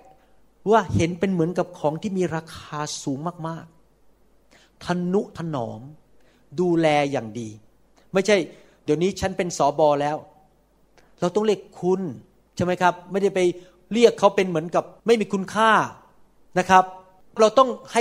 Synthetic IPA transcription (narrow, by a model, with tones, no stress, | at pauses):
waː˥˩he˩˦npe˧nmɯ˩˦ənka˨˩p̚kʰɔː˩˦ŋt̪ʰiː˥˩miː˧ɾaː˧kʰaː˧suː˩˦ŋmaː˥˩k̚maː˥˩k̚ | t̪ʰa˧nːu˦˥ʔt̪ʰa˧nɔː˩˦m | duː˧lɛː˧jaː˨˩ŋdiː˧ | ma˥˩jt͡ɕʰa˥˩j | di˨˩əwniː˦˥t͡ɕʰa˦˥npe˧nsɔː˩˦bɔː˧lɛː˦˥w | ɾa˧wt̪ɔ˥˩ŋɾi˥˩əkʰu˧n | t͡ɕʰa˥˩jma˦˥jkʰɾa˦˥p̚ma˥˩jda˥˩jpa˧j | ɾi˥˩əkʰːa˦˥wpe˧nmɯ˩˦ənka˨˩p̚ma˥˩jmiː˧kʰu˧nkʰaː˥˩ | na˦˥kʰɾa˦˥p̚ | ɾa˧wt̪ɔ˥˩ŋha˥˩